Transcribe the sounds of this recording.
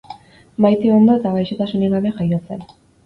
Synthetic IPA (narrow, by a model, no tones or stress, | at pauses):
majt̪iond̪oet̪aβajʃet̪asuneɣaβexajosen